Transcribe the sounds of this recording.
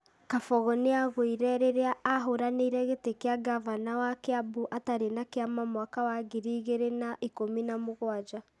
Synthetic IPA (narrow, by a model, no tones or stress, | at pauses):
kafɔɣɔneaɣoiɾɛɾeɾeaaɦoɾaniɾɛɣetekeaɡavanawakeabuʔataɾenakeamamwakawaɡiɾiːɣeɾenaʔikominamoɣwad͡ʒa